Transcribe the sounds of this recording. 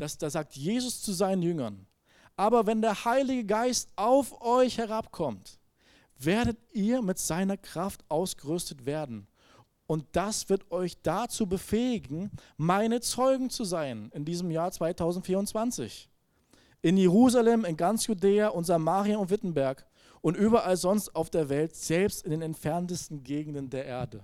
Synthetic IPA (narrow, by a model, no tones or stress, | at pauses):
d̥asd̥aːzaːk̚tʰjeːzʊst͡suzaɪnənjʏŋɐn | ʔaːbɐvɛndeːɐhaɪlɪɡəɡaɪstʔaʊfʔɔʏçhɛʁ̞apkʰɔmt | veːɐɾətʔiːɐmɪtz̥aɪnɐkʁ̥aftʔaʊsɡ̥əʁʏstətv̥eːɐdn̩ | ʊnt̚d̥asv̥ɪɐtɔʏçd̥at͡suːbəfɛːɪɡŋ̩ | maɪnət͡sɔʏɡŋ̩t͡suzaɪnɪndiːzəmjaːɐt͡sv̥aɪtʰaʊzn̩tfiːɐʊnt͡sv̥ant͡sɪ̰ç | ʔɪnjeʁ̞uːzalɛmɪnɡant͡sjudeːaʔʊntz̥amaːʁjaʊntvɪtn̩bɛɐk | ʔʊntʔyːbɐʔalzɔnstaʊfd̥eːɐvɛltz̥ɛlpstɪndeːnɛntfɛɐntəstn̩ɡeːɡŋ̩dəndeːɐʔeːɐdə